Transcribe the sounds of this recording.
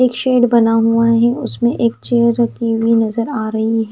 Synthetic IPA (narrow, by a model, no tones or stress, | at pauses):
eːkʃeːɖbɐnaɦuaɦɛʊsmẽʔeːk̚t͡ʃeːjəɾkiwinɐzəɾaːɾɐɦiɦɛː